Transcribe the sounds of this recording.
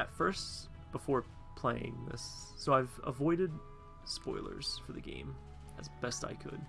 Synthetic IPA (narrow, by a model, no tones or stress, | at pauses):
ɨtfɜ˞st | b̥əfɔɹ | pʰl̥eɪɪ̰̃ŋðɪ̰sː | oʊaɪvə̰vɔɪɾɨd̚ | spɔɪlˠə̰˞z̥fə˞ðɨɡḛ̃ɪ̃m | ɨzb̥ɛsta̰ɪkʰɨ̰d̥